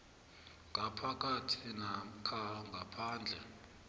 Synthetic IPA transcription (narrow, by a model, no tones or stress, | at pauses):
ŋɡʱapʰak̬ʼatʰinakʰaŋɡʱapʰaːnd͡ɮʱɛ